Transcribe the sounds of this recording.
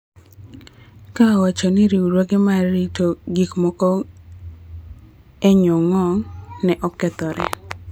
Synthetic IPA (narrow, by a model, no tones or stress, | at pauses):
kawat͡ʃɔnɪɾiuɾwoɡemaɾitoɡikmɔkɔ | eɲɔŋɔŋnɛʔɔkɛt̪ɔɾɛ̰